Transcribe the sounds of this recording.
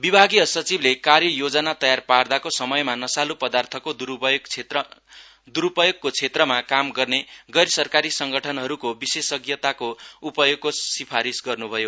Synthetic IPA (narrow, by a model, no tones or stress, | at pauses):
bibʱaɡijʌsʌt͡siblekarjʌjod͡zʌnat̪ʌjarpard̪akosʌmʌjmanʌsalupʌd̪art̪ʰʌkod̪uu | d̪uɾupʌjoɡ̚kot͡sʰet̪rʌmakamɡʌrneɡʌɾsʌrkaɾisʌŋɡʌʈʰʌnɦʌɾukobisesʌɡjʌt̪akoupʌjoɡ̚kosipʰaɾisɡʌrnubʱʌjo